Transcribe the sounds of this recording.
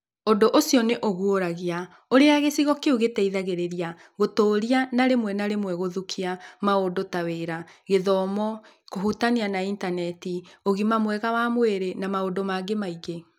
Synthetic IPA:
ondoʔosjɔneʔoɣuoɾaɣea | oɾeaɣesiɣɔkeuɣetɛiðaɣeɾeɾia | ɣotoːɾianaɾemwɛnaɾemwɛɣoðukʰiamaodotaweɾaɣeðɔmɔ | koɦutanianaintanɛtioɣimamwɛɣawamweɾenamaodomaɡemaiɡe

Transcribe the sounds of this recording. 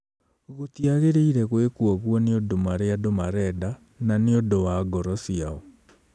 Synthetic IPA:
ɣotiaɣeɾeiɾɛɣwekuɔɣwɔneodomaɾeadomaɾɛda | naneodowaɡɔɾɔsiaɔ

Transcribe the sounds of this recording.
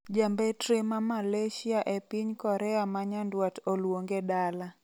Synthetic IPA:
d͡ʒambɛtɾemamaleʃiaʔepiɲkɔɾɛamaɲandwatolwoŋɡedala

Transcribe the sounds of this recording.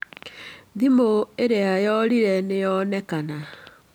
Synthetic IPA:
ðimoeɾeajɔɾiɾɛnejɔnɛkana

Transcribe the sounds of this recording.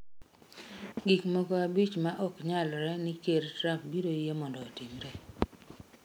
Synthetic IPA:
ɡikmokoabit͡ʃmaʔɔkɲalɾɛnɪkeɾtɾapbidojemɔndɔːtimɾɛ

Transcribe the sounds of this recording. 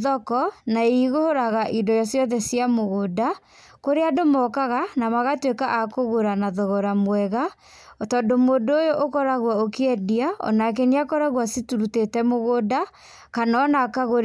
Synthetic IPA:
ðɔkɔnaeiɣohoɾaɣaʔindɔjɔsjɔðɛsiamoɣoda | koɾeadomɔkaɣanamaɣatwekaʔakoɣoɾanaðɔɣɔɾamwɛɣa | ɔtɔːndomoːdːjoʔokɔɾaɣwaokeɛdiaɔ̰nak̬eneakɔɾaɣwasituɾutetɛmoɣoda | kanɔnakaɣo

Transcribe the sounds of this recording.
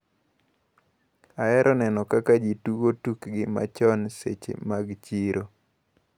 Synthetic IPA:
aɛɾʔɔnɛnɔkakad͡ʒituɡotukɡɪma̰t͡ʃɔnsḛt͡ʃḛmaɡt͡ʃiɾʔo

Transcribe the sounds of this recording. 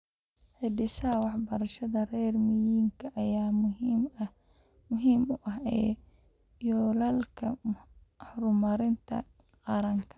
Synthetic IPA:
ħɪɖɪsɐwɑħbɐɾɐʃɐðɐrɛrmɪjiːŋkʰɐʔɐjaː | mʊɦiːmʊʔɐɦɛː | jɔːlɐlkʰɐ | hɾʊmɐɾɪnt̪ʰɐ̰ | qɑɾɐŋkʰɐ̥

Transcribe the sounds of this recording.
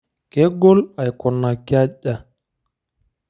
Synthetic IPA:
kɛɡɔlajkɔnːakːaʄːa

